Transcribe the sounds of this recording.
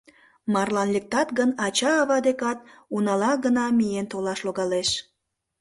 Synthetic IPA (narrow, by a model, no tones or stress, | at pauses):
mɑrlɑnlek̚t̪ɑt̪ɣənɑt͡ɕɑːβɑd̪ekɑt̪̚unɑlɑɣənɑmijent̪olɑʃloɣɑleʃ